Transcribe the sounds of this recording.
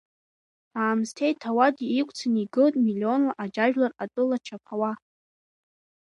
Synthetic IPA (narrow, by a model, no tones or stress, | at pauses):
aːmstʰe̞jtʰawadʲiːkʷʼt͡sʰɨniɡɨltʼmilːio̞nlaʔad͡ʒaʒᶣlaratʼɨlat͡ʃʰapʰawa